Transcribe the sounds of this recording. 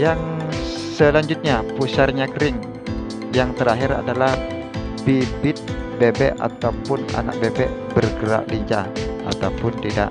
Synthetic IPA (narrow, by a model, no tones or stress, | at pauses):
jaŋ | səlaɲd͡ʒut̪̚ɲapusarɲakəɾɪŋ | jaŋt̪əɾaɦɪɾa̰dalah | bibɪt̪̚bebɛʔa̰t̪awpʊna̰na̰k̚bebɛʔbərɡəɾa̰ʔliɲt͡ʃaa̰t̪awpʊnt̪ida̰ʔ